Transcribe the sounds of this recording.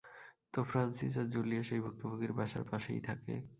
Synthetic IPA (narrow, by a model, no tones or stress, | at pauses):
t̪ofɾansisaɾd͡ʑolijaʃejbʱuk̚t̪oboɡiɾbaʃa̰ɾpaʃḛjt̪ʰakḛ